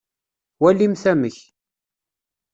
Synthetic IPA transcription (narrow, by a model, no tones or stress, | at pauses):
wælːimθæməç